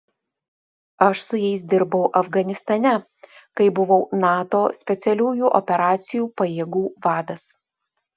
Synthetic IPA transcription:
ɐʃsʊjɛɪsd̪ʲɪɾbɐʊʔɐfɡɐnʲɪst̪ɐnʲɛ | kɐɪbʊʋɒʊnɑːt̪oːsʲpʲɛt̪sʲɛlʲuːjuːʔɔpʲɛɾɑːt̪sʲɪjuːpɐjeːɡuːʋɑːd̪ɐs

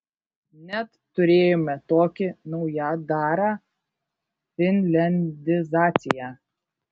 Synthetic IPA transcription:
nʲɛt̪ːʊɾʲeːjomʲɛt̪oːkʲɪnɔʊjɑd̪ɑːɾɑː | fʲɪnʲlʲɛnʲd̪ʲɪzɑːt̪sʲɪjæː

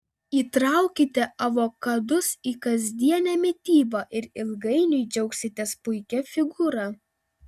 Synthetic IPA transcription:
iːt̪ɾɐˑʊkʲɪt̪ʲɛʔɐʋokɐd̪ʊsiːkɐzʲd̪ʲiɛnʲæːmʲɪt̪ʲiːbɐːʔɪɾɪlˠɡɐɪnʲʊɪd͡ʒʲɛʊksʲɪt̪ʲɛspʊɪkʲɛfʲɪɡuːɾɑː

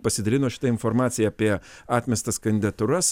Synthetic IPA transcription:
pɐsʲɪd̪ɐlʲɪnoːʃʲɪ̥t̪ɐɪnfoːɾmɑːt̪sʲɪjɛːpʲiɛɑːt̪ʲmʲɛst̪ɐskɐnʲd̪ʲɪd̪ɐt̪ʊɾɐs

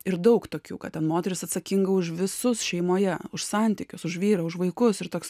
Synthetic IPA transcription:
ɪɾd̪ɐʊkt̪oːkʲṵːkɐtʲɛnmoːt̪ʲɛɾʲɪsɐt̪sɐkʲiŋɡɐʊʃʋʲɪsʊsʃʲɛɪmoːjɛʊʃsɐˑnʲt̪ʲikʲʊsʊʃʋʲiːɾɐʊʃʋɐɪkʊsɪɾt̪oːks

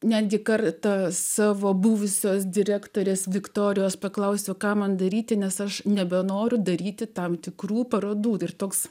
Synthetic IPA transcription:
nʲæːd̪ʲɡʲɪkɐrt̪ɑsɑːʋoːbuːʋʊsʲoːsd̪ʲɪɾʲæːkt̪oːɾʲeːsʋʲɪkt̪oːɾʲɪjoːspɐklˠɐʊsʲokɑːmɐnd̪ɐɾʲiːt̪ʲɪnʲɛsɐʃnʲɛbʲɛnoːɾʲʊd̪ɐɾʲiːt̪ʲɪt̪ɐmt̪ʲɪkruːpɐɾoːd̪uːɪrt̪oːks

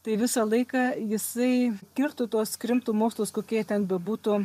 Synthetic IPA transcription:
t̪ɐɪʋʲɪsɐlˠɐɪkɑːjɪsɐɪkʲɪrt̪ʊt̪uɔskɾʲɪmt̪ʊːmoːkslˠʊskoːkʲiɛt̪ʲɛnbʲɛbuːt̪ʊ

